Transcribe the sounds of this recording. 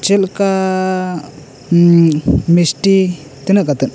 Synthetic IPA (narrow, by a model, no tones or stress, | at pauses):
t͡ʃɛlka | misʈi | t̪inaʔkat̪ɛn